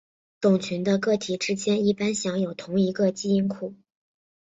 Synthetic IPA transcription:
t̪ʊ˨˩ŋt͡ɕʰy˧˥nd̪ə˧kɤ˥˩t̪ʰi˨˩ʈ͡ʂɻ̩˥t͡ɕjɛ˥ni˥˩pa˥nɕjɑ˧˥ŋjo˨˩ʊt̪ʰʊ˧˥ŋi˧˥ɡə˧t͡ɕi˥˧i˥nkʰu˥˩

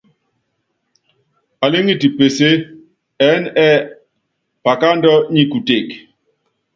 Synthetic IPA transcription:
a˨le˦ŋi˦ti˨pe˨se˦ | ɛ˦nɛ˦ | pa˨ka˦ndɔ˦ɲi˦ku˨te˨k

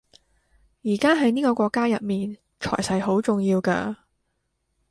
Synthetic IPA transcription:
jiː˨˩kaː˥ɦɐ˨˥jniː˥kɔː˧kʷɔː˧kːaː˥jɐ˨t̚miː˨˩n | t͡ʃʰɔ̰ː˨˩jsɐ˨˧jɦo˨˥wt͡sʊ˨ŋjiː˧wkɐ̰˧

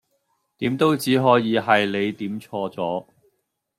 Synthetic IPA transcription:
t̪iː˨˥mt̪o˥wt͡siː˨˥ɦɔː˨˥jiː˨˧˥ɦɐ˨jle˨˧jt̪iː˨˥mt͡sʰɔː˧t͡sɔː˨˥

